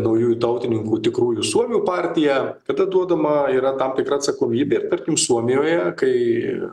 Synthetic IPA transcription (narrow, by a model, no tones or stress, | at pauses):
nɐʊjuːjut̪ɐʊt̪ʲɪnʲɪŋkuːt̪ʲɪkɾuːjusuɔmʲuːpɑːɾʲt̪ʲɪjɛkɐd̪ɐd̪uɔd̪ɐmɐiːɾɐt̪ɐmt̪ʲɪkɾɐːt̪sɐkoːmʲiːbʲeːɪrt̪ɐɾʲkʲɪmsuɔmʲɪjoːjɛkɐɪ